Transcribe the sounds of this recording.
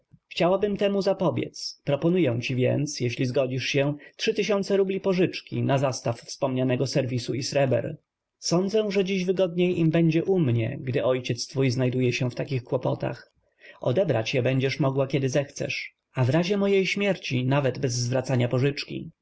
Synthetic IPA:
xt͡ɕawabɘmt̪ɛmuzapɔbʲjɛ̰t̪spɾɔpɔnujɛw̃t͡ɕivʲjɛ̰nt̪sjɛɕlʲizɡɔd͡ʑiʂɕɛtʂɘt̪ɘɕɔnt̪sɛɾublʲipɔʐɘt͡ʂkʲḭnazast̪affspɔmɲanɛɡɔsɛɾvʲisuisɾɛbɛ̰ɾ | sɔnd̪zɛw̃ʐɛd͡ʑiʑvɘɡɔd̪ɲejʔimbɛɲd͡ʑɛʔumɲɛ̰ɡd̪ɘɔjt͡ɕɛt̪st̪fujznajd̪ujɛɕɛft̪akʲixkwɔpɔt̪a̰x | ɔ̰d̪ɛbɾa̰t͡ɕjɛbɛɲd͡ʑɛʂmɔɡwakʲɛd̪ɘzɛxt̪sɛ̰ʂ | avɾaʑɛmɔjejɕmʲjɛɾt͡ɕinavɛd̪bɛzːvɾat̪saɲapɔʐɘt͡ʂkʲḭ

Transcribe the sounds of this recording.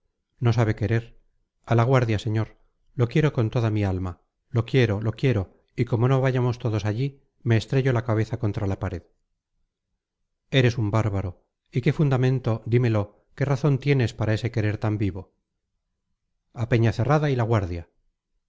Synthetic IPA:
no̞s̬aβe̞ke̞ɾe̞ɾ | alaɣ̞waɾðjaseɲo̞ɾ | lo̞kje̞ɾo̞ko̞nt̪o̞ðamialma | lo̞kje̞ɾo̞lo̞kje̞ɾo̞ | iko̞mo̞no̞βaʝamo̞st̪o̞ðo̞saʎi | me̞ːst̪ɾe̞ʝo̞lakaβ̞e̞θako̞nt̪ɾalapaɾe̞ð | e̞ɾe̞sumbaɾβaɾo | ike̞fund̪amẽ̞nt̪o̞d̪ime̞lo̞ | ke̞raθo̞nt̪je̞ne̞spaɾae̞se̞ke̞ɾe̞ɾt̪ambiβo̞ | ape̞ɲaθe̞raðailaɣwaɾðja

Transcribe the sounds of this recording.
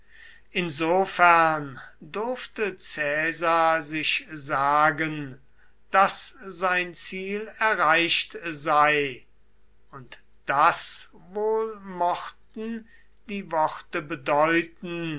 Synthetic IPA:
ʔɪnzoːfæɐndʊɐftət͡sɛːzazɪʃzaːɡən | d̥aszaɪnt͡siːlɛɐʁaɪʃtzaɪ | ʊnt | d̥as | voːlmɔχtn̩ | d̥iːvɔχtəbədɔʏtn̩

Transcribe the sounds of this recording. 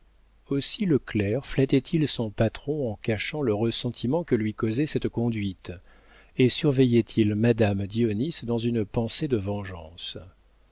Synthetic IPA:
osiləklɛʁflat̪ɛt̪ʰilsɔ̃pat̪χɔ̃ɑ̃kaʃɑ̃ləʁəsɑ̃t̪ʰimɑ̃kəlɥikozɛsɛt̪kɔ̃d̪ɥit̪ | esyʁvɛjɛt̪ʰilmad̪amd̪iɔnisd̪ɑ̃zynpɑ̃sed̪əvɑ̃ʒɑ̰̃s

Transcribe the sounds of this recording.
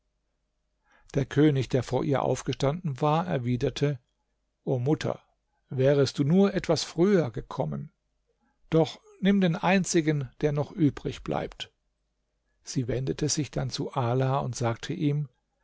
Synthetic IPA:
d̥eːɐkʰøːnɪçd̥eːɐfoːɐʔiːɐʔa̰ʊfɡ̥əʃtandn̩vaːɐɛɐviːdɐtʰə | ʔoːmʊtʰɐ̰ | vɛːʁəst̚d̥uːnuːɐʔɛtv̥asfʁ̥yːɐɡəkʰɔmən | d̥ɔχ | nɪmdeːnʔaɪnt͡sɪɡənd̥eːɐnɔχʔyːbʁɪçb̥lʔa̰ɪpt | z̥iːvɛndətʰəzɪçd̥ant͡suʔaːlaːʊntz̥aːk̚tʰəʔiːm

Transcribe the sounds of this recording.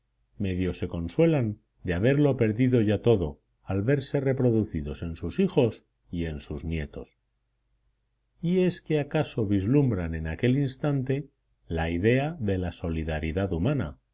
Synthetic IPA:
me̞ðjo̞se̞ko̞nswe̞lan | d̪eaβ̞e̞ɾlo̞pe̞ɾðiðo̞ʝat̪o̞ðo̞ | alβe̞ɾse̞re̞pɾo̞ðuθiðo̞se̞nsusixo̞s | ie̞nsuznje̞t̪o̞̰s | ie̞skeakaso̞βizlumbɾanẽ̞nake̞linst̪ant̪e̞ | laiðe̞aðe̞laso̞liðaɾiðaðumãna̰

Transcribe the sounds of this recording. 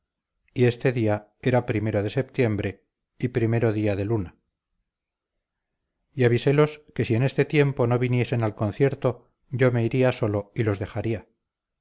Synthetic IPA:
ie̞st̪e̞ðia | e̞ɾapɾime̞ɾo̞ð̞e̞se̞p̚t̪je̞mbɾe̞ | ipɾime̞ɾo̞ðiaðe̞luna | iaβise̞lo̞ske̞sie̞ne̞st̪e̞t̪je̞mpo̞no̞βinje̞se̞nalko̞n̟θje̞ɾt̪o | ɟ͡ʝo̞me̞iɾiaso̞lo̞ilo̞zðe̞χaɾia

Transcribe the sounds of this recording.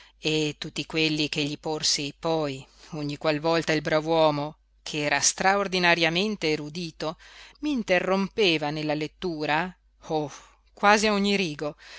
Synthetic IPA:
et̪ːut̪ːikwelːik̟eʎːiporsipɔjoɲːikwalvɔlt̪ailbɾavwɔːmo | kʰeɛːɾast̪ɾaord̪inaɾjament̪eɾud̪iːt̪omiːnt̪erːompeːvanelːalet̪ːuːɾa | o | kwaːziaoɲːiɾiːɡo

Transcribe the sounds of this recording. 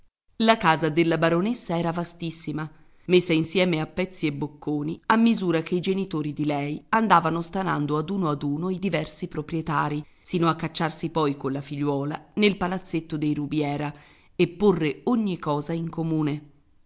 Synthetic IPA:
lakaːzad̪elːabaɾonesːaɛːɾavast̪isːima | mesːainsjɛːmeapːɛt̪sːiebːokːoːniamːizuːɾak̟eid͡ʒenit̪oːɾid̪ilɛjand̪aːvanost̪ana̰nd̪oad̪uːnoad̪uːnoid̪ivɛrsipɾopɾjet̪aːɾi | siːnoakːat͡ʃːarsipɔjkonlafiʎːwɔːlanelpalat̪sːet̪ːod̪ejɾubjɛːɾa | epːorːeoɲːikɔːzaiŋkomuːne

